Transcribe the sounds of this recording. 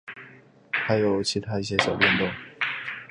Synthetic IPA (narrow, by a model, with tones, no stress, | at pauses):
t̪ʰa˧˥ɪjo˨˩ʊt͡ɕʰi˧˥t̪ʰa˥i˥˩ɕ̬jɛ˥ɕjɑ˨˩ʊpjɛ˥˧nt̪ʊ˥˩ŋ